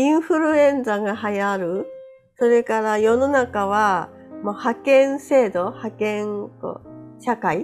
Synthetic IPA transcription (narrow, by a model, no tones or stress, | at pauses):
ĩɰ̃ɸɯɾɯ̟ẽ̞nd͡zaɡaɦajaɾɯ̟ | so̞ɾe̞kaɾajo̞no̞nakaβa | mohakẽ̞ɰ̃se̞ːd̪o̞hakẽ̞ŋko̰ɕakai